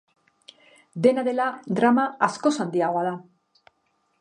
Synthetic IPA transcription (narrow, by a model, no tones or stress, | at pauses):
d̪e̞naðe̞lad̪ɾamaasko̞sand̪iaɣoaða